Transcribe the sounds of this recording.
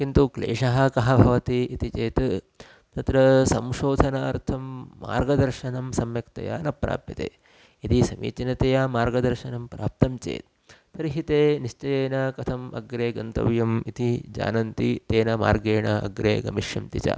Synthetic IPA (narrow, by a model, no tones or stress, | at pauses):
kint̪uklḛːʂɐɦɐkɐɦɐbʱɐʋɐt̪iːt̪it͡ʃeːt̪ | t̪ɐt̪ɾɐsɐmʃoːd̪ʱɐnɐɐɾt̪ʰɐmːa̰ːɾɡɐd̪ɐɾʃɐnɐmsɐmjɐkt̪ɐ̰ja̰ːnɐpɾa̰ːpjɐt̪ḛː | it̪isɐmḭːt͡ʃinɐt̪ejaːmaːɾɡɐd̪ɐɾʃɐnɐmpɾa̰ːp̚t̪ɐmt͡ʃḛːt̪ | t̪ɐɾiɦit̪eːniʃt͡ʃɐjeːnɐkɐt̪ʰɐmɐ̰ɡɾeːɡɐnt̪ɐ̰ʋjɐmit̪id͡ʒa̰ːnɐnt̪it̪eːnɐma̰ːɾɡeːɳɐɐ̰ɡɾeːɡɐ̰miʃjɐmt̪it͡ʃa̰